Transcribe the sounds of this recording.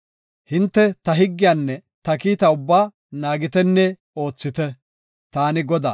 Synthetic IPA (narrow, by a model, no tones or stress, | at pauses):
hɪnt̪ːɛt̪ɐɦɪɡːɪjaːnːɛt̪ɐkiːt̪ɐʊbːaː | naːɡɪt̪ɛnːɛ | o̞ːt͡sːɪt̪ɛ | t̪aːnɪɡɔd̪a̰ː